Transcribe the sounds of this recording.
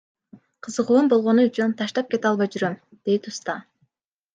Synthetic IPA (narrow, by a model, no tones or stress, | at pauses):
qʰɯzɯquːmbo̞lˠʁo̞nuyt͡ʃynt̪ʰɑʃt̪ɑp̚ke̞t̪ɑlˠβɑjd͡ʒyɾøm | d̪̥ejt̪ust̪ɑ